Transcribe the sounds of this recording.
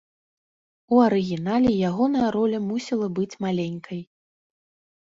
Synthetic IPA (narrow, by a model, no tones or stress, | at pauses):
uɐɾɨɣʲinalʲijaɣɔnɐjɐɾɔlʲɐmusʲilˠɐbɨt͡sʲmalʲenʲkʰɐj